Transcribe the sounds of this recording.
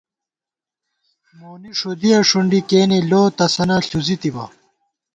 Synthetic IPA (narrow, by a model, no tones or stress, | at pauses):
moːniʂod̪ijɐʂuɳɖikeːneloːt̪ɐsɐnɐɬuzit̪ibɐ̰